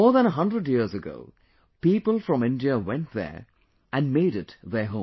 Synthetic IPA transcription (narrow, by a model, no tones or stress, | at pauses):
ɔːɹðæ̃ñəɦʌ̃ndɹədjiɹzəɡo̰ʊ | piːpəlˠfɹʌ̃mɪ̃ndiəwɛ̃nt̚ðɛ̰˞ | ʔæ̃nmeɪɾɪtðɛ˞ɦõ